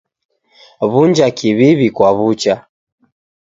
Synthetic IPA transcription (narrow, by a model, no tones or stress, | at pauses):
βuɲd͡ʒakiβiβikwaβut͡ʃa